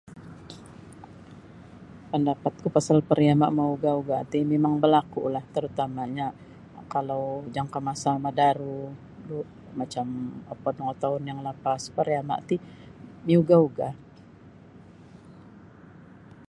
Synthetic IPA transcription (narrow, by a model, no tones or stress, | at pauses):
pəndapat̪̚kupasalpəɾiama̰ʔmauɡauɡat̪imemaŋbəlakṵlaht̪əɾut̪amaɲa | kalawd͡ʒaŋkəmasamadaɾu | duʔ | mat͡ʃaməpɔdɔŋot̪aʊnjaŋləpaspəɾiama̰ʔt̪i | miuɡauɡa